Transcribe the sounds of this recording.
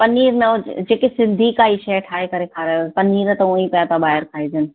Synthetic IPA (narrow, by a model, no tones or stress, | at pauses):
pɐniːɾnɐd͡ʒeːkesɪnd̪ʱikaːiʃɐʈʰaːekɐɾekʰaːɾapɐniːɾt̪ɐuĩpɐjat̪abaːɦɪɾkʰaːid͡ʒən